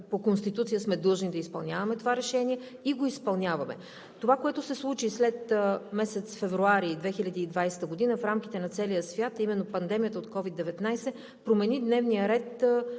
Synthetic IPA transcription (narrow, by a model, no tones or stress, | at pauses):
pokonst̪it̪ut̪sijəsmɛd̪ɤʒnid̪ɐispɐlˠnʲavɐmɛt̪ovaɾɛʃɛniɛ | iɡoispɐlˠnʲavɐmɛ̰ | t̪ovakoɛt̪ʊsɛslˠut͡ʃislɛt̪mɛsɛt̪sfɛvɾuaɾiːd̪vɛxilʲɐd̪iːd̪vajsɛ̥t̪əɡod̪inəfɾamk̟i̥t̪ɛnɐt̪sɛlijəsvʲjat̪ɐimɛnːopɐnd̪ɛmijət̪əot̪kɔvid̪ːɛvɛt̪najsɛ | pɾomɛnid̪nɛvnijəɾɛt̪